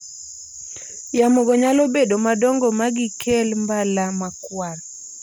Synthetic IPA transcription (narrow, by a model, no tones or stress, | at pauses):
jamoɡɔɲalɔbedomadɔŋɡɔmaɡɪkʰɛlmbalamakwal